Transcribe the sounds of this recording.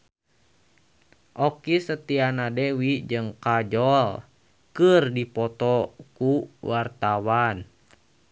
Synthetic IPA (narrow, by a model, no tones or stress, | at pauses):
ʔɔkisət̪ianadɛwid͡ʒɨŋkad͡ʒɔl | kɨrdipɔt̪ɔkuwart̪awan